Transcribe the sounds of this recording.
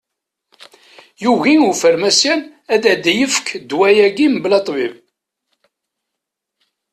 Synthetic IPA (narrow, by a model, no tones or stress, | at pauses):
juʝiufəɾmæsæn | æd̪æd̪æjəfkʰd̪wæjæɡimblɑt̪ˤvib